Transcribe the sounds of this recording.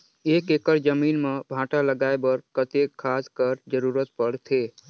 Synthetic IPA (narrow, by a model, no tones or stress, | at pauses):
ekekəɾd͡ʒəminmebʱãʈaləɡaebəɾkət̪easkəɾd͡ʒəɾuɾət̪̚pəɽt̪ʰe